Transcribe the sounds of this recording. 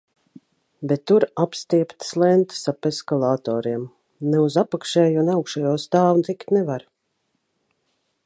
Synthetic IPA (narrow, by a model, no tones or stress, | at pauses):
bet̪ːuɾapst̪iɛpt̪slˠɛnt̪sapeskalˠaːt̪ɔːɾiɛm | nɛuzapakʃɛːjunawkʃajɔːst̪aːvnt̪ikt̪nɛvaɾ